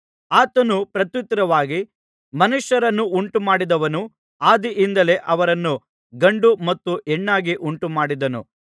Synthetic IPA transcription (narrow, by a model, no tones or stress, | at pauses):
aːt̪ɐnupɾɐt̪jut̪ɾɐʋaːɡi | mɐnuʂjɐɾɐnːuʔuɳʈumaːɽid̪ɐʋɐnu | aːd̪iʔind̪ɐle̞ʔɐʋɐɾɐnːu | ɡɐɳɖumɐt̪ːuʔɛɳːaːɡiʔuɳʈumaːɽid̪ɐnṵ